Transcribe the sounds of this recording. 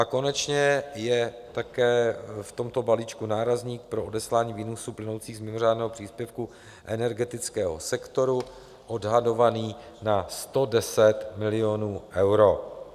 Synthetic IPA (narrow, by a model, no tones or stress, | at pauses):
ʔako̞nɛt͡ʃɲɛjɛ | t̪akɛːft̪o̞mt̪o̞balit͡ʃkunaːɾazɲiːk̚pɾo̞odɛslaːɲiːviːnusuplɪno̞wt͡siːɣzmɪmo̞r̝aːdnɛːɦopr̝̥iːspjɛfku | ʔɛnɛɾɡɛt̪ɪt͡skɛːɦo̰sɛkt̪o̞ɾu | ʔo̞dɦado̞vaniː | nast̪o̞dɛsɛt̪mɪlɪjo̞nuːʔɛwɾo̞